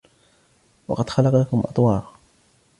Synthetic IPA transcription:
wɑ̰qɑd̪xɑlɑqakʊmʔɑ̰t̪ˤwɑːɾ

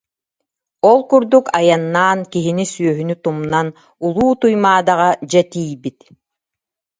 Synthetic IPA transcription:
ɔlˠkuɾd̪ukajanːaːnkiɦinisyœɦynyt̪umnan | ulˠuːt̪ujmaːd̪aʁad͡ʑɛt̪iːjbit̪

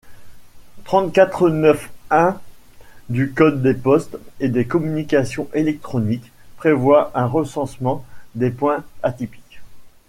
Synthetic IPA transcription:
t̪χɑ̃t̪kʲat̪χənœfɛ̃ | d̪ykɔd̪ːepɔst̪ed̪ekɔmynikʲasjɔ̃ʔelɛk̚t̪χɔnikpχevwaʔɛ̃ʁəsɑ̃smɑ̃d̪epwɛ̃at̪ipi̥kʲ

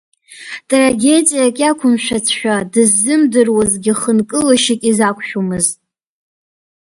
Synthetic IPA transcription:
tʼraɡʲe̞dʼijakʲʼakʷʰʊmʃᶣat͡sʰʃᶣadɨzːɨmdɨrwazɡʲɪχənkʼɨlaʃikʲʼizakʷʼʰʃᶣomɨztʼ

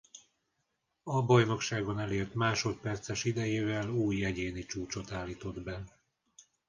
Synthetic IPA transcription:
ɒbɒjno̞kʃaːɡonɛleːrt̪maːʃo̞t̪̚pɛrt̪sɛʃid̪ɛjeːvɛluːjɛɟeːnit͡ʃuːt͡ʃo̞t̪aːlːiːt̪o̞d̪bɛ

